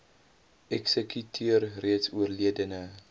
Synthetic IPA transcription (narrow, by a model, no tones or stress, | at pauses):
ɛksəkytʰiərriətsuərliədənə